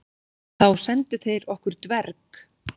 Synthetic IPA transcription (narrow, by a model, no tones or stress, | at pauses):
θawsɛnt̪ɪθejɾɔhkʏɾ̥t̪vɛɾk